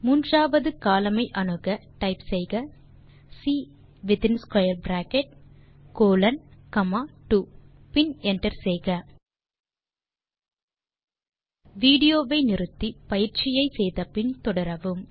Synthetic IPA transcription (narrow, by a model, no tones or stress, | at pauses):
muːndraːʋɐðɯkaːlɐmɐɪʔɐnɯɣɐʈɐɪpsɛjɣɐ | siː | ʋɪt̪ɪnskɐjɐɾbɾaːkɛʈ̚ | koːlɐnkɐmaːʈu | pɪnɛɳʈɐɾsɛjɣɐ | ʋiːɽɪjoːʋɐɪnɪɾɯt̪ːipɐjɪɾt͡ʃɪjɐɪsɛjðɐpɪnt̪ɔɽɐɾɐʋɯm